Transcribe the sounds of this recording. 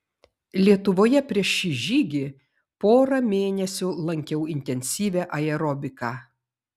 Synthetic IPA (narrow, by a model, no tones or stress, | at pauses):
lʲiɛt̪ʊʋoːjɛpʲɾʲiɛʃʃʲiʒʲiːɡʲɪ | poːɾɐmʲeːnʲɛsʲʊlˠɐŋʲkʲɛʊɪnʲt̪ʲɛnʲsʲiːʋʲæʔɐɛɾɔbʲɪkɑː